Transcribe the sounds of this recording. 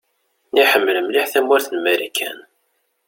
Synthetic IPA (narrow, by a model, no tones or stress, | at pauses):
niħəmːləmliħθæmwæɾθənmæɾækʰːæ̰n